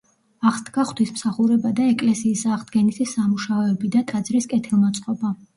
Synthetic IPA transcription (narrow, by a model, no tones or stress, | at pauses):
aχsd̪ɡaχt̪ʰismsaχuɾɛbad̪aɛkʼlɛsiːsaʁd̪ɡɛnisisamuʃaɔːbid̪at̪ʼad̪zɾiskʼɛt̪ʰilˠmat̪sʼqʼɔba